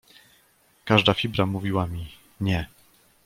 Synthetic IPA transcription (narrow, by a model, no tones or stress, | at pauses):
kaʐd̪afʲibɾamuvʲiwamʲi | ɲɛ